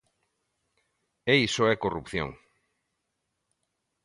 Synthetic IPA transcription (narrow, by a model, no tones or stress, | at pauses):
ejsoɛkorupθjo̰ŋ